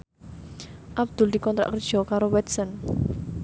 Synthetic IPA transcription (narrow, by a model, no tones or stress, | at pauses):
ʔab̚d̪̥ʊ̤ld̪i̤kɔnt̪ɾa̰ʔkər̥ʒ̥ɔ̤kaɾowɛt̪sən